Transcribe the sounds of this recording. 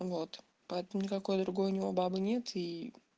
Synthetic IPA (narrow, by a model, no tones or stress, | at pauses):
vo̞t̪ | pɐɛt̪əmʊnʲɪkɐko̞jd̪ɾʊɡo̞jʊnʲɪvo̞babɨnʲe̞t̪ʰi